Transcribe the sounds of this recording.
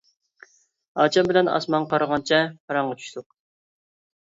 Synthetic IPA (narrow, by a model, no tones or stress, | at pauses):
ɑːt͡ʃʰɛmbɪlɛnɑ̰smɑŋqʰɑɾəʁɑnt͡ʃʰɛqʰɑɾɑɴʁɑt͡ʃʰy̥ʃt̪ʰʊq̚